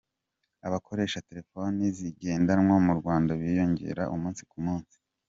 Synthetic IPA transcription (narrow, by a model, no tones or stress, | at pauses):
aβakʰo̞ɾe̞ːʃate̞ɾe̞foniziɡe̞ːndanmwamuɾɡwaːndaβijo̞ɲɟe̞̰ɾa̰ʔumuːnsi̥kumuːnsi̥